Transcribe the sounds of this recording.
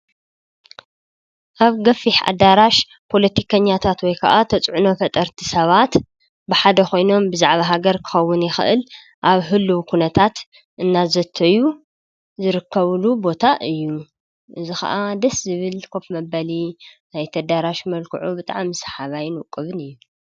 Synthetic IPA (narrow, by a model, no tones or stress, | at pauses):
ʔaβɡɐfiħa̰d̪aɾaʃ | pʰo̞lɐt̪ʰikʰɐɲːat̪ʰat̪wɔjkʰɐ̰ʔat̪ʰɐt͡sʼʕuno̞fɐt̪ʼɐɾt̪ʰi̥sɐβat̪ | bɨħad̪ɐxo̞jno̞mbɨzaʕβaɦaɡɐɾkʰɨ̥xɐwːʊnjɪxɨ̰ʔɨl | ʔaβɦɨlːuwkʰunɐt̪ʰat̪ | ʔɨnːazɐt̪ʰːɐju | zɨɾɨkʰːɐβlubo̞t̪ʰaʔɨjːu | ʔɨzixɐ̰ʔad̪ɐszɨβɨlkʰofmɐbɐlinajt̪ʰɐd̪aɾaʃmɐlkʰuʕubɨt̪ʼa̰ʕmsħaβajnukʼːɨβɨnɨjːu